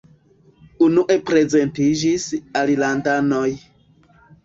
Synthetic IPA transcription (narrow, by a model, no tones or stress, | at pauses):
unuʔe̞pɾe̞ze̞ntid͡ʒisalilandano̞j